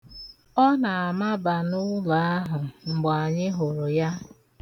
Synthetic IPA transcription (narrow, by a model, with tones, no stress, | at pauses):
ɔ˦na˨a˨ma˦ba˨nʊ˦la˨a˦ɦʊ˨ŋ͡m̩˨ɡ͡ba˨ɲɪ˦ɦʊ˨ɾʊ˨ja˦